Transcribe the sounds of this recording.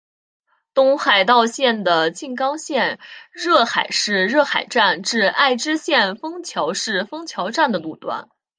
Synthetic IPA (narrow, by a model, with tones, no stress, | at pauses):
t̪ʊ˥ŋxa˨˩ɪt̪ɑ˥˧ʊɕjɛ˥˩nd̪ə˩t͡ɕi˥˩nkɑ˥ŋɕjɛ˥˧nɻɤ˥˩xa˨˩ɪʂɻ̩˥˧ɻɤ˥˩xa˨˩ɪʈ͡ʂa˥˧nʈ͡ʂɻ̩˥˧a˥˩ɪʈ͡ʂɻ̩˥ɕjɛ˥˩nfɤ˥ŋt͡ɕʰjɑ˧˥ʊʂɻ̩˥˩fɤ˥ŋt͡ɕʰjɑ˧˥ʊʈ͡ʂa˥˩nd̪ə˩lu˥˩t̪wa̰˥n